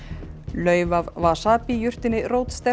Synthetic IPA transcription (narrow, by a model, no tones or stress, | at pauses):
lœːɥvavvasaːpijʏr̥t̪ɪnːɪrowt̪st̪ɛ